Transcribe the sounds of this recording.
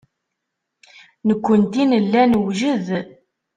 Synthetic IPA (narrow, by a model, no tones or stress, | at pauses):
nəkʷːənt̪inəlːænəwʒəð